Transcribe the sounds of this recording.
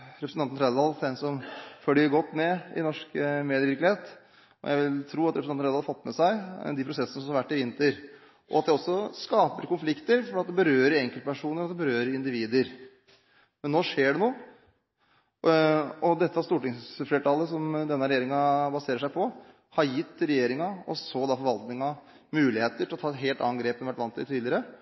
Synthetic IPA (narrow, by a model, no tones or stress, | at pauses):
ɾɛpɾsɑnn̩ɾɛd̪d̪ɑlsænsɔmfœːɖɪɡɔt̪ːmɛɪ̰nɔʂkmeːd̪əʋɪɾklɪheːt̪ | ɔ̰jæɪʋɪlt̪ʰɾuːɑt̪ɾɛpɾsɑɾd̪ɑɑfɑt̪ːmɛsæɪd̪ɪpʰɾʊsɛsənəsɔmhɑɾʋæʈːɪʋɪnt̪əɾ | ʔɔ̰ɑt̪̚d̪ɛɔsːɔskɑːpəɾkʊnflɪkt̪əɾfɔɾɑt̪d̪ɛbəɾøːɾɛŋkəlt̪əpʰæʂuːnəɾɔɑt̪d̪ɛbəɾøːɾəɪnd̪ɪʋiːd̪əɾ | mɛnnːoːʂeːɖɛnoːə | ɔd̪ɛt̪ːəɑst̪uːʈɪŋsfleːʈʰɑːləsɔmd̪ɛnːəɾɛjeːɾɪŋɑbɑseːɾəʂæɪpʰɔ | hɑɾjɪt̪ːɾɛjeːɾɪŋɑɔ̰sod̪ɑfɔɾʋɑlt̪nɪŋɑ | mʉːlɪheːt̪əʈʰɪlɔt̪ʰɑːɛt̪ɦeːlt̪ɑ̰ːnɡɾeːpnʋæʈːʋɑnt̪ːɪ̰t̪ʰiːd̪lɪəɾə